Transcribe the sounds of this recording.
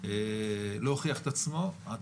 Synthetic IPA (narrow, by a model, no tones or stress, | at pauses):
elooχiaχet̪at͡smo̞a